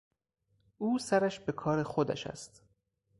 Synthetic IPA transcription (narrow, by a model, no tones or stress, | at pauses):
ʔuːsæɾæʃbe̞kʰɒːɾexod̪æ̰ʃæ̰st̪